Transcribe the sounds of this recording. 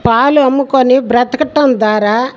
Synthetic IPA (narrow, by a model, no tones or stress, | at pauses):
paːluɐmːukonibɾɐt̪ɐkɐʈːɐnd̪ʋaːɾaː